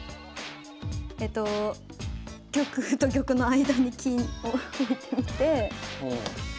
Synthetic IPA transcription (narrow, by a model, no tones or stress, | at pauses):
et̪o̞ | kʲo̞kɯ̟t̪o̞k̬ʲo̞kɯ̟no̞aid̪aɲ̟ikʲʰĩooit̪emʲit̪e̞o̰